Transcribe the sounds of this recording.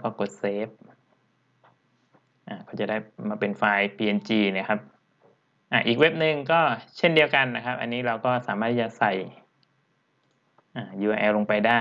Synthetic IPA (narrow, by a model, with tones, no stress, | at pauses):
kɔː˥˩ko˨˩t̪̚seː˦˥p̚ | ʔaː˨˩kʰa˦˥˩t͡ɕa˨˩daː˥˩jmaː˧pe˧nfaː˧jpʰiː˧ʔe˧nt͡ɕiː˧na˦˥˩kʰa˦˥p̚ | ʔaː˧˩ʔiː˨˩k̚we˦˥p̚nɯ˧ŋkɔː˥˩t͡ɕʰe˥˩ndi˧əwka˧nːa˦˥kʰa˦˥p̚ʔa̰˧nːiː˦˥ɾa˧wkɔː˥˩saː˨˦maː˥˩t̪ʰiː˥˩t͡ɕa˨˩sa˨˩j | ʔaː˨˩juː˧ʔaː˧ʔɛː˧lo˧ŋpa˧jdaː˥˩